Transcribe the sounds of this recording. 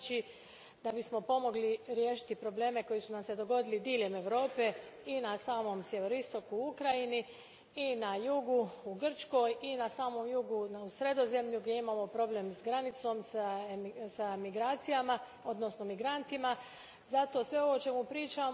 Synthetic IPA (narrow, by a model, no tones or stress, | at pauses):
t͡ʃi | d̪abismo̞po̞mo̞ɡliɾjeːʃi̥t̪ipɾo̞ble̞ːme̞ko̞jisunamsed̪o̞ɡo̞d̪ilid̪iːʎe̞me̞ʋɾo̞ːpe̞ | inasaːmo̞msje̞ʋe̞ɾoist̪o̞kuuukɾajini | inajuɡuuɡr̩t͡ʃko̞jinasaːmo̞mjuɡuusɾe̞d̪o̞ze̞mʎuɡdʲje̞imaːmo̞pɾo̞ble̞msɡɾanit̪so̞ms | samiɡɾaːt̪sijama | o̞d̪no̞sno̞miɡɾant̪ima | zat̪o̞ːsʋe̞o̞ʋo̞t͡ʃe̞mupɾiːt͡ʃa